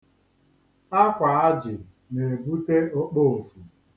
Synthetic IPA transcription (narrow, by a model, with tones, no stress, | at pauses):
a˦kʷa˨a˦d͡ʒɪ̰˨ | ne˨bu˦te˦o˦k͡po˦o˨fu˨